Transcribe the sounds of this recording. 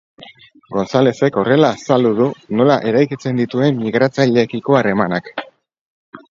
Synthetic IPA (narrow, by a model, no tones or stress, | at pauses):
ɡo̞nsale̞se̞ko̞re̞lasald̪uðuno̞laʔe̞ɾajkit͡se̞nd̪it̪ue̞mmiɣɾat͡sajʎekiko̞are̞manak